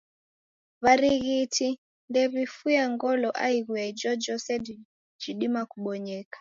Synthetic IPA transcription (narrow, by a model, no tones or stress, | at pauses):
βaɾiɣitʰi | ndɛβifujaŋɡɔlɔʔaiɣwɛd͡ʒɔd͡ʒɔsɛdi | d͡ʒiɗimakuɓɔɲɛːkḁ